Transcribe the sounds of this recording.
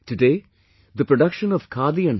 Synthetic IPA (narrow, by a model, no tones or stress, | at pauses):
tuɖeː | d̪əpɾəɖʌkʃə̃nɔʋkʰaːd̪iɛ̃n